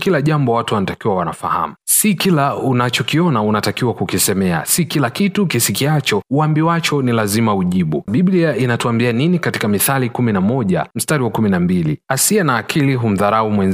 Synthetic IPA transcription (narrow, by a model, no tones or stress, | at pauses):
kilaʄambɔwatuwanatakiwawanafaha̰musikilaunat͡ʃɔkiɔnaunatakiwakukisɛmɛa̰sikilakitukisikiat͡ʃɔuambiwat͡ʃɔnilazimauʄiɓuɓiɓliainatuambianinikati̥kamiθalikuminamɔʄa̰m̩staɾiwakuminambiliasiɛnaːkʰiliɦum̩ðaɾaumwɛn